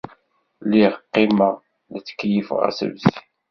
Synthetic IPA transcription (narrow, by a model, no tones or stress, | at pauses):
liʁqːima | nət͡sːkːjifʁæ̰sə̰vsi